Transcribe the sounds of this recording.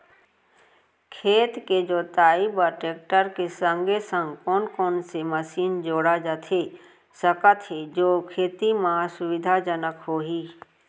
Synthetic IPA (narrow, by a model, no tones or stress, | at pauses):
kʰeːt̪ked͡ʒoːt̪aːibəɾʈeːk̚ʈəɾkesə̃ŋɡesə̃ŋɡkɔːnkoːnseməsiːnd͡ʒoːɽad͡ʒət̪ʰe | səkat̪ʰɦed͡ʒoːkʰeːt̪imãsʊʋɪd̪ʱad͡ʒənəkɦoːɦiː